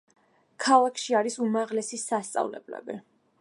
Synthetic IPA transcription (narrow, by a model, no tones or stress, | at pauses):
kʰalˠakʰʃiaɾisumaʁlɛsisast̪sʼa̰vlɛ̰blɛ̰bi